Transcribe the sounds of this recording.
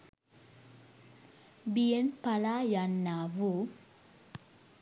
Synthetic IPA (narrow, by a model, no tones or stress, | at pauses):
bijenpalaːjanːaːʋu